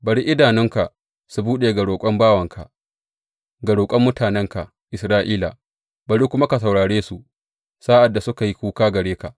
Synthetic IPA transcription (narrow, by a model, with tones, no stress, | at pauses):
bɐ˨ɽi˦ʔɪ˦daː˨nɪ˦ŋka˨ʔ | su˨buː˦ɗeː˨ɡɐ˨ɽoː˨kʷʼɔ˦mbaː˦wɐ˨ŋkʰa̰˨ʔ | ɡɐ˨ɽoː˨kʷʼɐ˦mːʊ˦taː˨nɛ˦ŋka˨ | ʔɪ˨sɾaː˦ʔiː˦la̰˨ | bɐ˨ɽi˦kʷʊ˦ma˦ka˨s̬ɐ˨wɽaː˨ɽeː˦su˨ | saː˦ʔa˨dːa˨sʊ˦ka˨ji˦kʷuː˦kaː˦ɡɐ˨ɽeː˦ka˨ʔ